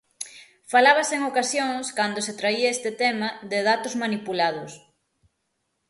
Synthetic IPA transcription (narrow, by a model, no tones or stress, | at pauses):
falaβɐseŋokasjoŋskand̪oset̪ɾaiɐest̪et̪ɛmɐðeðat̪ʊzmanipulað̞ʊs